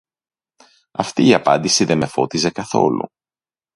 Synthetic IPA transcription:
ɐft̪iːɐpɐnd̪isiðeme̞fo̞t̪ize̞kɐθo̞̰lṵ

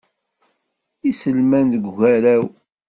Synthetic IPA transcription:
isəlmænðəɡɣæɾæw

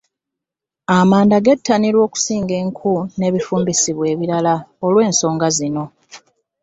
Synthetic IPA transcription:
amaːndaɡetːaniɾwo̞ːku̥siːŋɡe̞ːŋkʰune̞βifuːmbisiβwe̞ːβiɾalaolwe̞ːnso̞ːŋɡazino̞

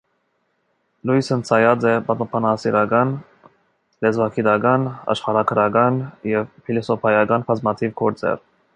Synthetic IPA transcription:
lujsənt͡sʰɑjɑt͡sɛbɑt̪pʰɑnɑsiɾɑɡɑn | lɛzvɑkʰid̪ɑɡɑnɑ̰ʃχɑɾɑkʰəɾɑɡɑnjɛvfilɔsɔpʰɑjɑɡɑnpʰɑzmɑt̪ʰivkʰɔɾt͡sʰɛ̰ɾ

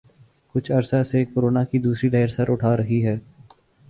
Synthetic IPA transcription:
kʊt͡ʃʰɐɾsasekoːɾoːnakid̪uːsɾiɖɛːəɾsɐɾʊʈʰaːɾɐɦiɦɛː

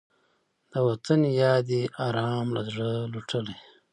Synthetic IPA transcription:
d̪̥əwat̪ənjɑːd̪iɑːɾɑːmla̰zʐəluʈʰəle

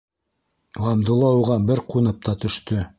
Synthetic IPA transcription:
lɑmd̪ulˠɑuʁɑbɘɾqunɤp̚t̪ɑt̪ɵ̆ʃt̪ɵ

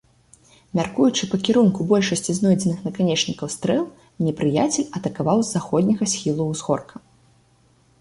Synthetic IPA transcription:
mʲarkujut͡ʂɨpɐkʲiɾunkubɔlʲʂɐsʲt͡sʲiznɔjd͡zʲɛnɨxnɐkanʲɛt͡ʂnʲikɐwst̪ɾɛlˠ | nʲɛpɾɨjat͡sʲɛlʲɐt̪ɐkavawzːaxɔd̪ʲnʲɐɣɐsʲxʲilˠuzxɔrkʰɐ

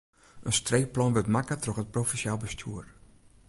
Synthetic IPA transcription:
ʔənstreːplɔnʋətmakətrɔxət̚profinsjalˠbəstʰjuər

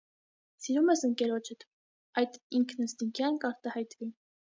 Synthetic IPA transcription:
siɾumɛsəŋkɛɾɔt͡ʃʰət̪ | ɑjt̪iŋkʰnəst̪iŋkʰjɑnkɑɾt̪ɑhɑjt̪vi

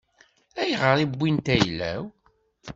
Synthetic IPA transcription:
æjʁəɾˤibʷːint̪æjlːæ̰w

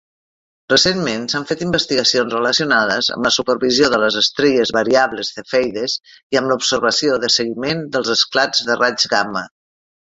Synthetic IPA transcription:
rəsenmensaɱfet̪imbəst̪iɣəsionzrələsiunað̞əzə̰mləsupəɾβizioðələzəst̪ɾeʎəzβəɾiaβləzðəfɛjðəziəmlupsəɾβəsioðəsəɣimend̪əlˠzəsklad͡zðərad͡ʒɣamə

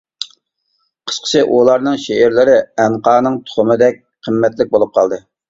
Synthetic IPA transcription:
qʰə̥ʃqʰə̥t͡ʃʰɪʔolˠɑɾnɨŋʃeːɾlɪɾɪɛnqɑːnɨŋt̪ʰʊ̥χʊmɨd̪ɛk̚ʲ | qʰəmːɛt̪lɪk̚ʲbolˠup̚qʰɑlˠd̪ɨ

